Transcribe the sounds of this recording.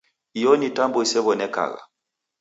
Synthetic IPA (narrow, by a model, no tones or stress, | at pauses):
ijɔnitambɔisɛβɔnɛka̰ɣa̰